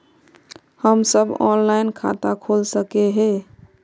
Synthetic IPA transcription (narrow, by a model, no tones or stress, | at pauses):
həmsəbɔ̰nlainkʰa̰t̪akʰolsəkeɦe